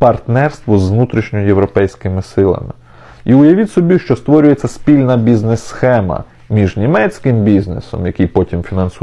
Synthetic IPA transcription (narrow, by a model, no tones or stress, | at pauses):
pɐrt̪nɛrst̪ʋɔzʋnut̪ɾʲiʃnʲɔjjewɾɔpɛjsʲkɪmɪsɪlˠɐ̰mɪ̰ | iʊjɐʋʲitʲsɔbʲiʃt͡ʃɔst̪ʋɔɾʲʊjet͡sʲːɐspʲilʲnɐbʲiznesːxɛmɐ̰ | mʲiʒnʲimɛt͡sʲkɪmbʲiznḛsɔ̰mjɐkʲijpɔtʲimfʲinɐns